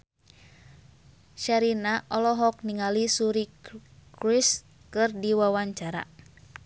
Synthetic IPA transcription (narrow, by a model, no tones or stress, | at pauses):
ʃaɾinaʔɔlɔɦɔk̚niŋalisuɾikɾis | kɨrdiwawaɲt͡ʃaɾa̰